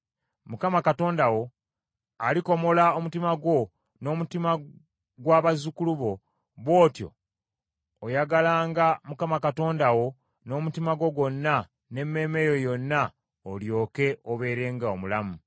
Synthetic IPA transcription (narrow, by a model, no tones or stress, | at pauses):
mukamakato̞ːndawo̞ | alikomo̞lao̞mutimaɡwo̞ | no̞ːmutima | ɡwaːβazukuluβo̞ | βwo̞ːtjo̞̰ | jaɡalaːŋɡamukamakato̞ːndawo̞ | no̞ːmutimaɡo̞ɡo̞nːa | ne̞mːe̞ːme̞jo̞jo̞nːa | oljo̞ːke̞oβe̞ːɾe̞ːŋɡaomulamu